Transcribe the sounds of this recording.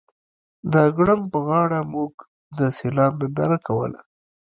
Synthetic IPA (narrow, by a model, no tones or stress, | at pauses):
d̪əɡɽaŋɡ̚pəɣɑɽamuɡ | d̪əselɑbnɪnd̪ɑɾakawə̰la̰